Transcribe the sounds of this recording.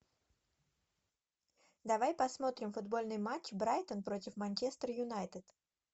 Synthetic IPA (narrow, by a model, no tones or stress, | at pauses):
d̪ɐvajpɐsmo̞t̪ɾʲɪmfʊd̪bo̞lʲnɨjmat͡ɕbɾajt̪ənpɾo̞tʲɪfmɐnʲt͡ɕest̪ɾəjʊnajt̪ɨt̪